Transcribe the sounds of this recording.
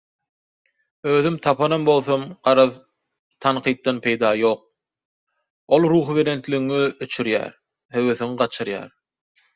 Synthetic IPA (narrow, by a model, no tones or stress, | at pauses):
øːðymt̪ʰɑpʰɑnɑmbo̞lˠθomɢ̥ɑɾɑð | t̪ʰɑnqʰijt̪̚d̪ɑnpʰe̞jd̪ɑːjo̞ːq̚ | olˠɾuːxβe̞ɾe̞nt̪lʲiɣŋiøt͡ʃʰyɾjæ̰ːɾ | høweθyŋɢɑt͡ʃʰɯɾjɑ̰ːɾ